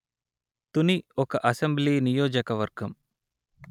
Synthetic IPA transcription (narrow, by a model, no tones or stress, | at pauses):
t̪uniokɐʔɐsɐmblinijoːd͡ʒɐkɐʋɐɾɡʱɐm